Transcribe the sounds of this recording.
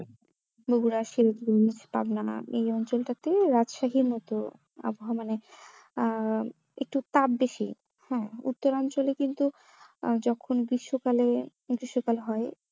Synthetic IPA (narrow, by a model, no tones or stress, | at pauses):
boɡuɾaʃiɾot̪uit͡ɕʰe̥pa̰bnaḛjɔnt͡ɕolʈat̪eɾad͡ʑʃaɦiɾmɔt̪o | a̰boɦamane | ek̚ʈut̪abbeʃḭ | hɛ̃ːṵt̪ːoɾɔnt͡ɕolekint̪u | d͡ʑɔkʰonbɾiʃːokale | bɾiʃːokalɦɔe